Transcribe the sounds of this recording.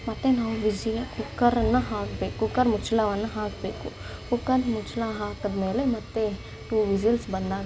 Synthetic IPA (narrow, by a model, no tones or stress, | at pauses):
mɐt̪enaːʋid͡ʒiɐkʊkːɐɾɐnɐɦaːkbeːkukɐɾmʊt͡ʃʰlaʋanɐɦaːkbeːkṵ | kokɐd̪mʊt͡ʃʰlaːɦaːkɐd̪meːlemɐt̪ːe | ʈuːʋizilsbɐnd̪aː